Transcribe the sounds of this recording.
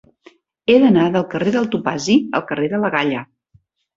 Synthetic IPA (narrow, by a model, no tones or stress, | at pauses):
eðənaðəlˠkəreðəlˠt̪upaziə̰lˠkəreðələɣaʎə